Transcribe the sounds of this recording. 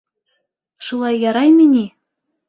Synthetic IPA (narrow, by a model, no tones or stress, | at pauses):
ʃulˠɑjːɑɾɑjminʲi